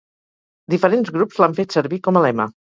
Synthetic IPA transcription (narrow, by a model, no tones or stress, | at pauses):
d̪ifəɾenzɣɾupzlaɱfet̪səɾβikɔməlɛmə̰